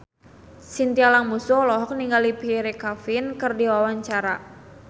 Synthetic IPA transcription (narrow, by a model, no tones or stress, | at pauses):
sint̪ialaŋmusulɔɦɔk̚niŋɡalipiɾekafɪnkɨrdiwawaɲt͡ʃaɾa